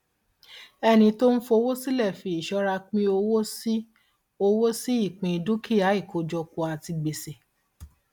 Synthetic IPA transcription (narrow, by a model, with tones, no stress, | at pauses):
ɛ˧nĩ˧to˦n̩˦fo˧˦wo˦si˦lɛ˦˨fi˨i˨ʃɔ˧˦ɾa˧k͡pĩ˧˦o˧wo˦si˦ | o˧wo˦si˦i˦˨k͡pĩ˧du˦ki˦˨ja˨˦i˦˨ko˨˦d͡ʒɔ˧ku˧a˧ti˧ɡ͡be˨se˨